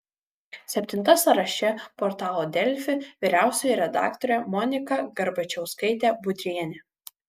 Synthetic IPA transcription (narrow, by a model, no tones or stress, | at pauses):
sʲɛpʲt̪ʲɪnt̪ɐsɐɾɐʃʲɛpɔɾt̪ɑːlˠoːd̪ʲɛlʲfʲɪʋʲiːɾʲæˑʊsʲoːjɛɾʲɛd̪ɑ̰ːkt̪ɔɾʲɛmɔnʲɪkɐɡɐɾbɐt͡ʃʲɛʊskɐɪt̪ʲæːbʊd̪ʲɾʲiɛnʲe